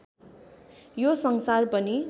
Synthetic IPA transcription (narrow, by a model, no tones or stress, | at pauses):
josʌŋsarpʌni